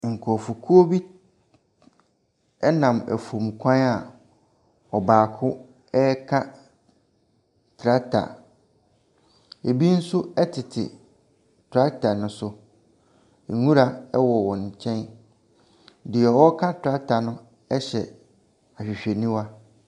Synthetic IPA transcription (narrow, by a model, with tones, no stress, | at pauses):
ŋ̩˨kʰɔ˨fu˨kʰu˦o˦bi˦ | ɛ˦nã˨mæ̰˨fu˨m˨kʷʰã˦na˨ | ɔ˨baː˨kʰʊ˦ | ɛ˦kʰã˦ | tʰɾa˦tʰa̰˨ | e˨bi˦n̩˦sʊ˦ɛ˦tʰɪ˨tʰɪ̰˨ | tʰɾa˦tʰa˨nʊ̃˦sʊ˦ | e˨ŋũ˦ɾa˨ɛ˦wɔ˨wɔ̃˨ɲ˨t͡ɕʰɛ̃˦n | dɪ˨ɛ˨wɔ˦kʰa˦tʰɾa˦tʰa˨nʊ̃˦ | ɛ˦ɕɛ˨ | a˨ɕᶣi˨ɕᶣe˨nĩ˦wa˦